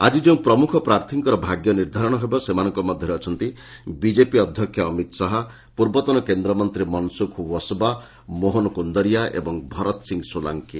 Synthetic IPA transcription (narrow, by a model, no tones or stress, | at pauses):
a̰d͡ʒid͡ʒeũpɾɔmukʰɔpɾaɾt̪ʰiŋkɔɾɔbʱaɡjɔniɾd̪ʱaɾɔɽ̃ɔɦebɔsemanɔŋkɔmɔd̪ʱjɔɾeɔt͡ʃʰɔnt̪i | bid͡ʒepiɔd̪ʱjɔkʰjɔːmit̪saɦɔ | puɾbɔt̪ɔnɔkend̪ɾɔmɔnt̪ɾimɔnsukʰuwɔsba | moɦonɔkund̪ɔɾijaʔḛbɔŋbʱɔɾɔt̪ɔsiŋɡsola̰ŋki